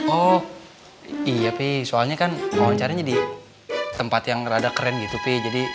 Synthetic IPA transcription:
ɔh | ijapesoalɲakanwawaɲt͡ʃaɾaɲadi | t̪əmpat̪jaŋradakəɾɛnɡit̪uped͡ʒadi

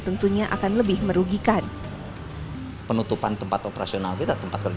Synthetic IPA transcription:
t̪ənt̪uɲaʔa̰kanləbɪhməɾuɡikan | pənut̪upant̪əmpat̪opəɾasionalkit̪at̪əmpat̪̚kərd͡ʒ

